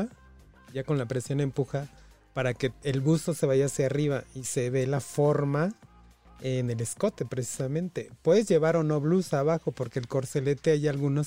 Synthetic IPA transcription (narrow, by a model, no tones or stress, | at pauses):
a | ʝako̞nlapɾe̞sjo̞ne̞mpuxa | paɾake̞ːlβust̪o̞se̞βaʝaːsjariβaise̞βe̞lafo̞ɾma | ene̞le̞sko̞t̪e̞pɾe̞si̥samẽ̞nt̪e̞pwe̞ðezʝe̞βaɾo̞no̞βlusaβaxo̞po̞ɾkeːlko̞ɾse̞le̞t̪e̞aʝalɣunos